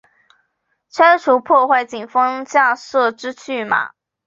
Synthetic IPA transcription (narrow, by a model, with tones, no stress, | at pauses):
t͡sʰə˥nʈ͡ʂʰu˧˥pʰwɔ˥˧xwa˥˩ɪt͡ɕi˨˩ŋfɤ˥ŋt͡ɕja˥˧sɤ˥˩ʈ͡ʂɻ̩˥t͡ɕʰy˥˩ma̰˩˦